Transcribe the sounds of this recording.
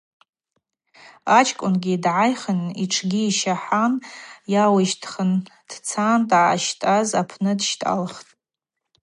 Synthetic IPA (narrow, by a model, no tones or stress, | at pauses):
at͡ʃʰkʷʼʊnɡʲidʕajχəniʈ͡ʂʰɡʲiːʃaħanjawaʒtʰχənd̥t͡sʰantʼaʕ̰ːʃtʼazapʰnɨdʃtʼa̰lχtʼ